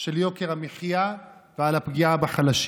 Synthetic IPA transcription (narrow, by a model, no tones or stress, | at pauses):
ʃeljo̞keʁameχijavealapɡiabaχalaʃ